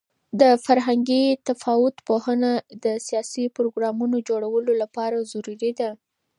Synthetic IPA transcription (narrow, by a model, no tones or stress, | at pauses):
d̪əfaɾɦaŋɡit̪afɑwʊt̪pohənad̪əsijɑsipɾoɡɾɑmunod͡ʒoɽawəlolapɑɾazuɾiɾid̪a